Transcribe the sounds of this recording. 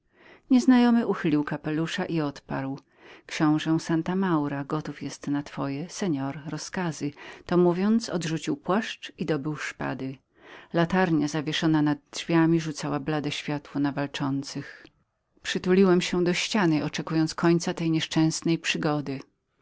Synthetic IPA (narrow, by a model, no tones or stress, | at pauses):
ɲɛznajɔmɘʔuxɘlʲiwkapɛluʂaʔiɔt̪pa̰ɾw | kɕɔ̃w̃ʐɛsant̪amawɾaɡɔt̪ufjɛst̪nat̪fɔjɛsɛɲɔɾɾɔskazɘt̪ɔmuvʲjɔnt̪sɔd̪ʐut͡ɕiwpwaʂt͡ʂid̪ɔbɘwʂpa̰d̪ɘ | lat̪aɾɲazavʲjɛʂɔnanad̪̚ʐvʲjamʲiʐut̪sawablad̪ɛɕfʲjat̪wɔnavalt͡ʂɔnt̪sɘx | pʂɘt̪ulʲiwɛmɕɛd̪ɔɕt͡ɕanɘʔɔt͡ʂɛkujɔ̃nt̪skʰɔɲt̪sat̪ɛjɲɛʂt͡ʂɛ̃w̃snɛjpʂɘɡɔd̪ɘ